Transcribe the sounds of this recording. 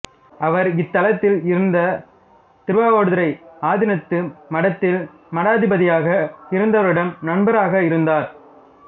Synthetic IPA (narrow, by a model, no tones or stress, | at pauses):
ɐʋɐɾɪt̪ːɐlɐt̪ːɪlɪɾɯnd̪ɐ | t̪ɪɾʋaːʋoːɽɯðɪɾɐɪaːðɪnɐt̪ːɯmɐɽɐt̪ːɪl | mɐɽaːðɪbɐðɪjaːɣɐɪɾɯnd̪ɐʋɐɾɪɽɐmnɐɳbɐɾaːɣɐɪɾɯnd̪aːɾ